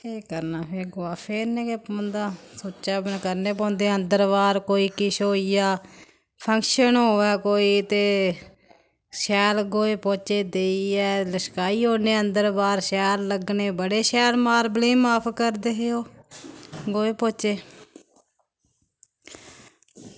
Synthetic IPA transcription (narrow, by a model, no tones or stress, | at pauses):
eːkəɾnaːpʰeːɡʊaːpʰeːɾnẽːkpə̃nd̪aːsoːt͡ʃaːbənkəɾneːpɔ̃ːnd̪eːə̃nd̪əɾbaːɾkoːiːkɪʃoːiːjaː | pʰə̃ŋkʃənɦoːʋɛːkoːiːt̪eː | ʃɛːlɡoːeːpoːt͡ʃeːd̪eːiɛːləʃkaːiːɦoːneːənd̪əɾbaːɾʃɛːlləɡneːbəɽeːʃɛːlmaːɾblẽːmaːpʰkəɾd̪eːɦeːoː | ɡoːeːpõːt͡ʃeː